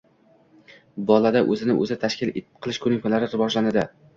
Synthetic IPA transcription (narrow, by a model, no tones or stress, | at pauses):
bɒlˠad̪aʔɵzɪnɪʔɵ̰zɪt̪ʰaʃkʲɪleqʰɨlˠɪʃkʰɵnɪkalaɾɪɾɪvɒʒlanɪd̪ɪ